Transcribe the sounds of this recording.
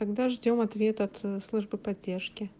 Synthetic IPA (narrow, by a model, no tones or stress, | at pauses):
t̪ɐɡd̪aʐdʲo̞mɐt̪vʲe̞t̪ʊɐt̪slˠuʐbɨpɐdʲːerʂkʲɪ